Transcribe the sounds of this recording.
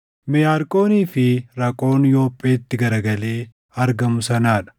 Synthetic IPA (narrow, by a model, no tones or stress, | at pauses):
mɪjaːɾkʼo̞ːniːfɪɾɐkʼo̞ːnjo̞ːpʼːeːt̪ːɪɡɐɾɐɡɐle̞ː | ɐɾɡɐmʊsɐnaːᶑɐ̥